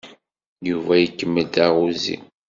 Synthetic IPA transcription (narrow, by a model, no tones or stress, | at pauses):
juvæjəkːəmːəd̪aʁuzḭ